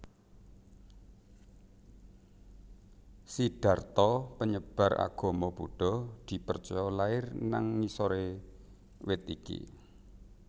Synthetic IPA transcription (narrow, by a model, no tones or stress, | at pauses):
siɖ̥a̤rt̪ɔpəɲəb̥a̤ra̰ɡ̥o̤mɔbuɖ̥ɔd̪̥i̤pərt͡ʃɔjɔlaɪrnaŋːisɔɾe | wɪt̪̚ikḭ